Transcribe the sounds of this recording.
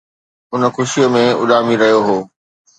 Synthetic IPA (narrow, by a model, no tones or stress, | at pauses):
ʊnxʊʃijomẽʊ̰laːmiɾɐɦjoɦoː